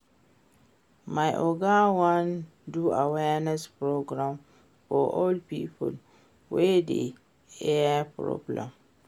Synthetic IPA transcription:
maɪʔɔɡawãn | duawɛnɛspʰɾoɡɾãm | fɔʔɔlpiːpʰʊl | wedḛ | ɛpʰɾɔ̰blɛ̰̃m

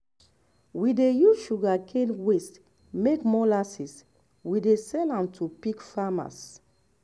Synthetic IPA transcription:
widejuʃuɡakʰenwest | mekmɔlasis | widesɛlãmtʰupikfama̰s

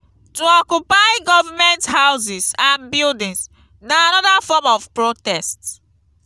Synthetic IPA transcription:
tuɔkjupaɪɡɔvamɛ̃nthaws̬isãnbildĩns | naanɔdafɔmɔfpɹotɛst

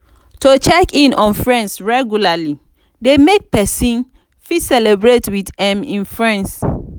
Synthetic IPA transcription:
tot͡ʃɛkĩnʔɔ̃nfɹɛ̃nsɹɛɡjulali | demek̚pɛsĩn | fitsɛlebɹetwidɛ̃mĩnfɹɛ̃ns

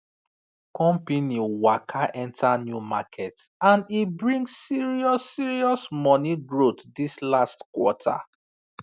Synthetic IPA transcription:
kɔ̃mpiniwakʰaʔɛ̃ntʰanjumakʰɛtãnibɹĩŋɡsːiɹiɔsːiɹiɔsmɔniɡɹotdislastkwɔtʰa̰

